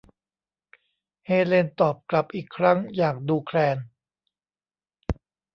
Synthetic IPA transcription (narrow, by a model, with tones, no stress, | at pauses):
heː˧leː˧nt̪ɔː˨˩p̚kla˨˩p̚ʔiː˨˩kʰːɾa˦˥˩ŋjaː˨˩k̚duː˧kʰɾɛː˧n